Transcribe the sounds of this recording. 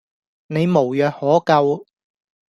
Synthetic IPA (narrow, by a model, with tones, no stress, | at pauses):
ne˨˧jmo˨˩wjœː˨k̚hɔː˨˥kɐ˧w